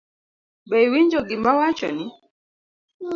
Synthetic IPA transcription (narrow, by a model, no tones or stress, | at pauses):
bɛjwiɲd͡ʒoɡimbawat͡ʃɔni